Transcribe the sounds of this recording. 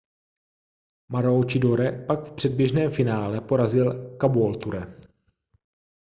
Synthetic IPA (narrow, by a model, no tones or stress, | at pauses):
maɾowt͡ʃɪdoɾɛpakfpr̥ɛd̚bjɛʒnɛːmfɪnaːlɛpo̞ɾazɪlkabuolt̪uɾɛ